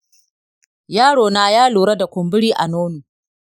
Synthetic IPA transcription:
jaː˦ɽoː˨naː˦jaː˦luː˨ɽɐ˦da˨kʷʊ˨mbɪ˦ɽiː˦ʔa˨noː˦nuː˨

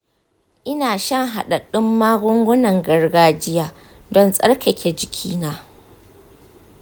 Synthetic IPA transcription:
ʔɪ˦naː˨ʃɐ˦ŋɦa˨ɗa˨ɗɪ˦mːaː˦ɡʷʊ˦ŋɡʷʊ˦nɐ˨ŋɡɐ˨rɡaː˦d͡ʒɪ˦jaː˦ | dɔ˦nsʼɐ̰˦ɽkʲɐ˨kʲe˨d͡ʒɪ˨kʲʰiː˦naː˦

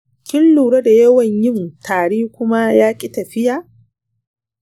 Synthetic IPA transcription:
kʲɪ˦lːuː˨ɽɐ˦da˨jɐ˦wɐ˨ɲjɪ˦ntaː˨ɽeː˦kʷʊ˦ma˦jaː˦kʲʼi˦tɐ˨ɸɪ˦jaː˨ʔ

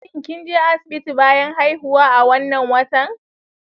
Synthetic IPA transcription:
ɪ˨ŋkʲɪ˦nd͡ʒa˦ʔa˦sɪ̥˨bɪ˦ti˨baː˦jɐ˦ŋha˦jhʊ˦waː˦ʔa˨wɐ˦nːɐ˨ŋwɐ˦tɐ˦˨ŋ

